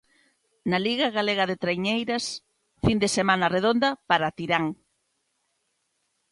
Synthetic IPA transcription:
naliɣaɣaleɣaðet̪ɾejɲejɾɐs | find̪esemanɐreð̞ond̪ɐpaɾat̪iɾaŋ

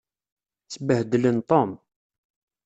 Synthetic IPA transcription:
t͡sːəbəhd̪ələnt̪ˤom

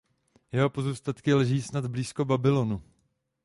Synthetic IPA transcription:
jɛɦo̞po̞zust̪at̪kɪlɛʒiːsnad̪bliːsko̞babɪlonu

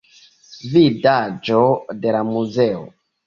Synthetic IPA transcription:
vidad͡ʒode̞lamuzeo̰

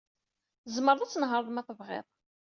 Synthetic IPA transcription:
zməɾˤðˤæt͡sːənɦəɾˤðˤmæθəvʁɪ̰ðˤ

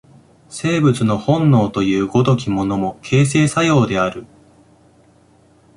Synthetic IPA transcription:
se̞ːbɯt͡sɨno̞hõ̞nːo̞ːt̪o̞jɯ̟ːɡo̞d̪o̞kʲimo̞no̞mo̞kʰe̞ːs̬e̞ːsajo̞ːd̪e̞aɾɯ̟

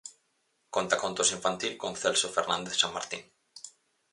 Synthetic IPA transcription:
kont̪akont̪osiɱfant̪ilkõŋθelsofeɾnãnd̪eθsaŋmaɾt̪ḭŋ

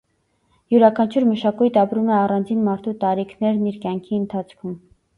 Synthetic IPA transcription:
juɾɑkʰɑnt͡ʃʰuɾməʃɑkujt̪ʰɑpɾumɛɑrɑnd͡zinmɑɾt̪ʰut̪ɑɾikʰnɛɾniɾkjɑŋkʰiənt̪ʰɑt͡sʰkʰum

